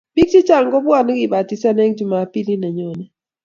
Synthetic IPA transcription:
bi˦k̚ti˦t͡ʃa˨ŋɡɔ˦bwa˦˨n˦ɡi˨ba˨ti˦sa˦nɛ˦ŋd͡ʒu˨ma˨˦pi˦li˦nɛ˨ɲɔ˨nɛ˦

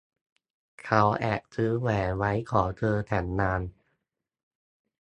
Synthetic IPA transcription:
kʰa˦˥wʔɛː˨˩k̚sɯː˦˥wɛː˨˩wa˦˥jkʰɔː˩˦t͡ɕɤː˧t̪ʰɛː˩˦nːaː˧n

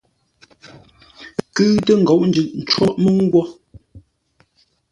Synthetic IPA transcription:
kʉ˦tə˦ŋ̩˨ɡɔ˨ʔn̩˦d͡ʒʉ˨ʔn̩˨t͡ʃwɔ˦ʔmə˦ŋ̩˦ɡwɔ˦

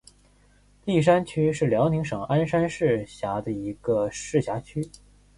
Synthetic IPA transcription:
li˥˩ʂ̬a˥nt͡ɕʰy˥ʂɻ̩˥˩ljɑ˧˥ʊni˧˥ŋʂɤ˨˩ŋa˥nʂa˥nʂɻ̩˥˩ɕja˧˥d̪ə˧i˧˥ɡ̥ə˧ʂɻ̩˥˩ɕja˧˥t͡ɕʰy˥

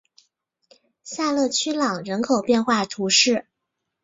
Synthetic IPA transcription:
sa˥˧lɤ˥˩t͡ɕʰy˥lɑ˨˩ŋɻə˧˥nkʰo˨˩ʊpjɛ˥˧nxwa˥˩t̪ʰu˧˥ʂɻ̩˥˩

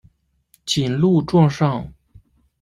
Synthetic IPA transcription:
t͡ɕʰi˨˩nlu˥˧ʈ͡ʂwɑ˥˧ŋʂɑ˥˩ŋ

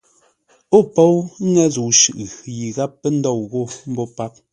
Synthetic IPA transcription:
o˦˨po˦wŋɛ˦zu˨ʃʉ˨ʔɣji˨ɣa˦pːɛ˦n̩˦dɔ˦˨wɣo˦˨m̩˦bɔ˦pa˦p̚

